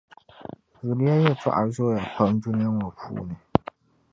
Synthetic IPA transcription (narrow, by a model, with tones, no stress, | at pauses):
zʊ˨la˦jɛ˦˨tʰa̰˦ʔa˨˦zʊ˦˨ja˨k͡pa˦n˦du˦nɪ˦ja˦ŋa˨pʰṵː˦˨nɨ˨